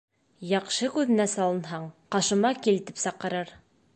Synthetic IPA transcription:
jɑqʃɤkʉðɘ̆næsɑlˠɤ̆nɦɑɴqɑʃɤ̆mɑkilt̪i̥psɑqɤ̆ɾɤɾ

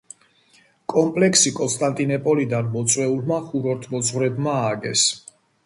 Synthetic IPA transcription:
kʼɔmpʼlɛkʰsikʼɔnst̪ʼant̪ʼinɛpʼɔlid̪anmɔt̪sʼwɛulmaχuɾɔɾt̪ʰmɔsʰʼʁwɾɛb̪maːɡɛ̰s

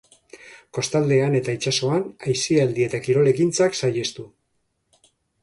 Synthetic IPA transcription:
ko̞st̪ald̪e̞ane̞t̪ait͡ʃaso̞anajsiald̪ie̞t̪akiɾo̞le̞kint͡saksaje̞st̪u

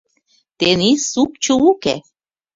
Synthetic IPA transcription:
t̪enisuk̚t͡ʃuwukḛ

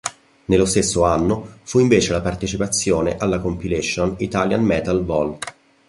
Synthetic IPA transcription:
nelːost̪esːoanːofuiɱveːt͡ʃelapart̪et͡ʃipat̪sːjoːneʔalːakompilɛʃːonit̪aljanmɛːt̪alvɔl

